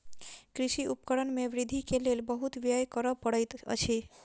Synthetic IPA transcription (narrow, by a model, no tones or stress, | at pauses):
kɾɪʃiʔupkəɾənmeʋɾɪd̪ʱikelelbəɦut̪ʋjajkəɾəpəɽət̪ə̰t͡ʃʰe